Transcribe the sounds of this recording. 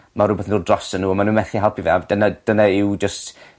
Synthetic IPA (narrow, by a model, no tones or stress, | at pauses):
marʊbɛθndoːdrɔsənːuːɔmanuːnvɛθiɦalˠpʰivɛ̰vd̥ənad̥ənaɪwd͡ʒəst